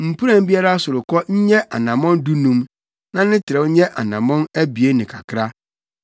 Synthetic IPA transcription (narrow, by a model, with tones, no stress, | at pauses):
m̩˨pʰu˦ɾã˦m̩˦bi˦a˦ɾa˦a˦sʊ˨ɾʊ˨kɔ˦ɲ̩˦ɲɛ˦ʔa˨nã˨mɔ̃˦ndu˦nũ˦m | nã˦nɪ̃˦tʰɪ˨ɾɛ˨w̩˦ɲɛ˦ʔa˨nã˨mɔ̃˦næ˦bi˨e˦nɪ̃˨kʰa˨kʰɾa˦